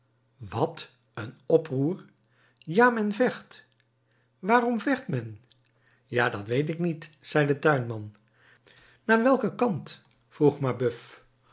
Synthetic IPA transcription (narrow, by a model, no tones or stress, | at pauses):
ʋɑt | ənɔpruːɹ | jaːmɛnvɛχt | ʋaːrɔmvɛχtmɛn | jaːdɑtʋejtɪknitz̥ɛjdətœɥnmɑn | naːɹʋɛlˠkəkɑnt | fruχmabɵf